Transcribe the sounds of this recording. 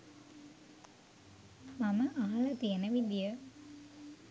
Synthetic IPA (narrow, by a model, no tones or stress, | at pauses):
maməʔaɦalɐt̪ijənəʋid̪ijə